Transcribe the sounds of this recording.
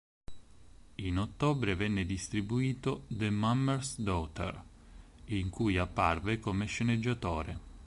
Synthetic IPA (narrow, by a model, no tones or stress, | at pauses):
inot̪ːoːbɾevɛnːed̪ist̪ɾibuiːt̪od̪emamːɛɾsd̪ɔt̪ḛr | iŋkujapːa̰rvekomeʃːened͡ʒːat̪oːɾe